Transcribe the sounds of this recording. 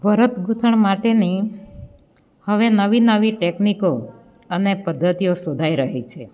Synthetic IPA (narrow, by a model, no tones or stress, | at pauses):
bʱəɾət̪ɡut̪ʰəɳmaʈeni | həʋenəʋinəʋiʈekniko | ənepəd̪ʱːət̪ijosod̪ʱaiɾəɦit͡ʃʰe